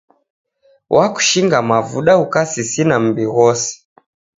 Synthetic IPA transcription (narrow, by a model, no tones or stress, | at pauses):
wʔaku̥ʃiŋɡamavuɗaukasisinam̩biɣɔsi̥